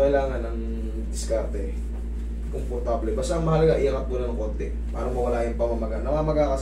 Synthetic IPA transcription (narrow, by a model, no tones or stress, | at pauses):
ɐɪlaːŋɐnɐŋ | d̪ɪskaɾt̪ɛ | kompoɾt̪ablɛbaːst̪aʔɐŋmɐhɐlɐɡaʔɪjaŋkɐt̪uːnɐnɐŋko̞nt̪ɛ | paːɾɐŋmowɐlaːjɪnpɐmɐmɐɡanɐmamɐɡakɐs